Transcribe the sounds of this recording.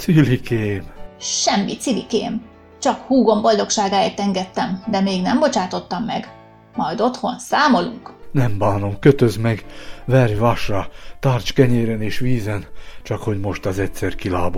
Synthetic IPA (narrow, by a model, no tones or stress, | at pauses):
silikeːmʃɛmːit̪silikeːm | t͡ʃɒkhuːɡo̞mbo̞ld̪o̞kʃaːɡaːeːrt̪ɛŋɡɛt̪ːɛmd̪ɛmeːɡnɛmbo̞t͡ʃaːt̪o̞t̪ːɒmːɛɡ | mɒjd̪o̞t̪ho̞nsaːmo̞lṵŋknɛmbaːno̞ŋkøt̪øzmɛɡvɛrjvaʃrɒt̪aːrt͡ʃkɛɲeːɾɛneːʃʋiːzɛnt͡ʃɒkho̞ɟmo̞ʃt̪ɒzɛtʲsɛrkilaːbo